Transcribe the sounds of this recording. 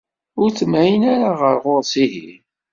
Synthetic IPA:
ʊɾt͡sːəmæjənaɾaʁəɾʁʊɾsiɦi

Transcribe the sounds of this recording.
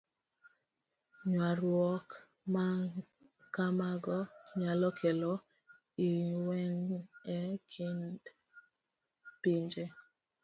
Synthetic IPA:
ɲwaɾwɔk | ma | kamaɡɔɲalɔkʰɛlɔ | iwɛŋɛkʰind | piɲd͡ʒe

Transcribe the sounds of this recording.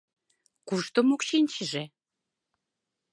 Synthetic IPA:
kuʃt̪omokʃinʲt͡ɕəʒe

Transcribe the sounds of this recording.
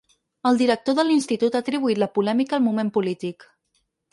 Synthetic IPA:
əlˠd̪iɾək̚t̪oðəlinst̪it̪ut̪at̪ɾiβuit̪ləpulɛmikəlˠmumempulit̪ik

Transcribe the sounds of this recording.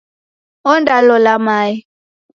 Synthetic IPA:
ɔndalɔlamai

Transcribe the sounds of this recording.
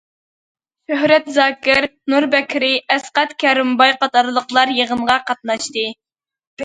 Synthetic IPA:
ʃøɦɾɛt̪zɑːkʲɪɾnuɾbɛkʲʰɾɪʔɛsqɛt̪kʲʰɛɾɪmbɑjqɑt̪ɑɾlˠəqlˠɑɾjeʁənʁɑqɑt̪̚nɑʃt̪ɨ

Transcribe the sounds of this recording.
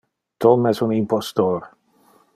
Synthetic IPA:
t̪ɔmɛsunimpɔst̪oːɾ

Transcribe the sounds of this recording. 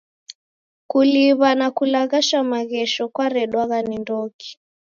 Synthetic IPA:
kuliβanakulaɣaʃamaɣɛʃɔkwaɾɛɗwaɣanindɔki̥

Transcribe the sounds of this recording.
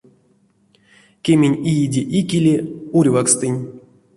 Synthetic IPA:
kʲemʲenʲijidʲeʔikʲilʲeurʲvakst̪ɨnʲ

